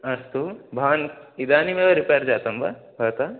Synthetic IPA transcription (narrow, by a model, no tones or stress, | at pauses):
ɐɾst̪ubʱaːnid̪aːnimẽɐɾipeːɾd͡ʒaːt̪ɐmba̰bɐːt̪a